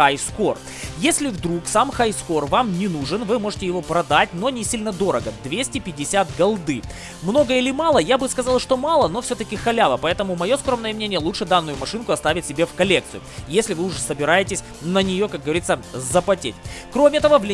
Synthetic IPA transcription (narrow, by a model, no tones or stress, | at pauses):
ajskor | jesʲlʲɪvd̪ɾuksamxajsko̞rvamnʲɪnuʐɨnvɨmo̞ʐɨtʲɪjɪvo̞pɾɐd̪atʲno̞nʲɪsʲilʲnəd̪o̞ɾəɡəd̪vʲesʲtʲɪpʲɪdʲɪsʲat̪ɡɐlˠd̪ɨ | mno̞ɡəɪlʲɪmalˠəjabɨskɐzalˠʂt̪o̞malˠən̪o̞fsʲɵt̪əkʲɪxɐlʲavəpɐɛt̪əmʊmɐjo̞skɾomnəjəmnʲenʲɪjəlˠut͡ʂʂɨd̪anːʊjʊmɐʂɨnkʊɐst̪avʲɪt̚ʲsʲɪbʲefkɐlʲek̚t̪sɨjʊjesʲlʲɪvɨʊʐɛsəbʲɪɾajɪtʲɪsʲ | nənʲɪjo̞kak̚ɡəvɐɾʲit̪səzəpɐtʲḛtʲkɾomʲɪɛt̪əvəvlʲɪ